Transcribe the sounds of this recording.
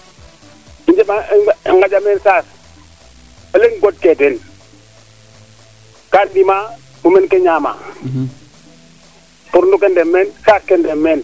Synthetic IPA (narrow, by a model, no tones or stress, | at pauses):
iɲd͡ʒemaiŋɡad͡ʒameːnsaːs | oleŋɡot̚keten | kandima | mumenkeɲaːma̰ | puɾndukendemːensaːskendemːeːn